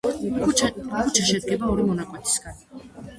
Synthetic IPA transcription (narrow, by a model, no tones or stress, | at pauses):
kʰukʰut͡ʃʰaʃɛd̪̚ɡɛbaɔɾimɔnakʼwɛt̪ʰi̥sɡan